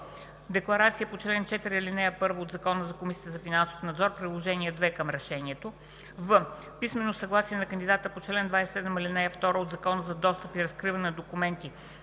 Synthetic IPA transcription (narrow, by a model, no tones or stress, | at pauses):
d̪ɛklˠɐɾat̪siəpot͡ʃɛlɛnt͡ʃɛt̪iɾiilinɛjəpɤɾvəod̪zɐkɔnəzɐkomisiət̪əzɐfinanso̥fnɐd̪zɔɾpɾilˠoʒɛniɛd̪vɛkəmɾɛʃɛniɛt̪o | və | pismɛnːosɐɡlˠasiɛnɐkənd̪ʲid̪at̪əpot͡ʃɛlɛnd̪vajsɛɛd̪məmɐlinɛjəft̪ɔɾəod̪zɐkɔnəzɐd̪ɔst̪əpiɾɐskɾivənɛnd̪okumɛnt̪i